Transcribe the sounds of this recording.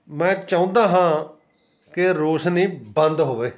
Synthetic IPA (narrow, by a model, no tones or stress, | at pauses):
mɛ̃ːt͡ʃaːũːnd̪aːɦãː | kɪɾoːsnĩːbənd̪ɦoːʋeː